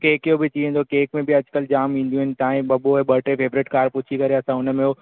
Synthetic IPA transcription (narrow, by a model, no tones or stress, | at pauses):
keːkijobɪt̪iːẽn̆d̪okeːkmẽbɪɐd͡ʒkəld͡ʑaːmĩːn̆d̪jũɦɪnɪ̆t̪aːɦĩɓɐboeɓɐʈefeːʋɾɪʈkaːɾpʊt͡ʃʰikɐɾeɐsãʊnəmẽo